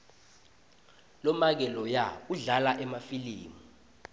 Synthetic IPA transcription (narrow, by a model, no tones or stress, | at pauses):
lɔmak̬ɛlɔjauɮalaʔɛmafiliːmu